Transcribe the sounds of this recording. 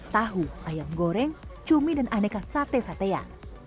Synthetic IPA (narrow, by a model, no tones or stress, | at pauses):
t̪aɦuʔajaŋɡoɾɛŋt͡ʃumidanʔanɛkasat̪esat̪ea̰